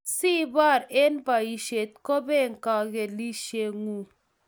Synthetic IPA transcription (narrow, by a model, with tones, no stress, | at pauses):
si˦ba˦˨ɾe˦nba˨i˨ʃe˨t̪̚ko˦be˦ŋka˨ɣe˨li˦ʃe˦ŋu˦˨